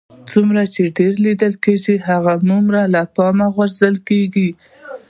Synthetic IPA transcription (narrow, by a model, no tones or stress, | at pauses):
t͡sumɾat͡ʃeɖeɾlid̪əlkeʒiɦaɣanumɾalapɑmaɣwaɾzəlkeɡi